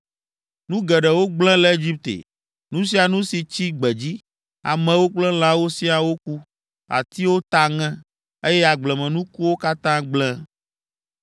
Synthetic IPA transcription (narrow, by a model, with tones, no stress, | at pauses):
nũ˦ɡɛ˨ɖɛ˨wo˦ɡ͡blɛ̃˦lɛ˦e˦d͡ʑi˦p̚t̪ḛ˨ | nũ˦s̬i˦a˨nũ˦si˨t͡ɕi˦ɡ͡bɛ˨d͡ʑi˦ | a̰˨mɛ̃˨wo˦k͡plɛ̃˦l̃ã˦wo˦si˦a˨wo˦ku˦ | a̰˨t̪i˦wo˦t̪a˨ŋɛ̃˦ | e˦jɛ˦a˨ɡ͡blɛ˨mɛ̃˨nũ˦ku˦wo˦ka˦t̪ã˦ɡ͡blɛ̃˦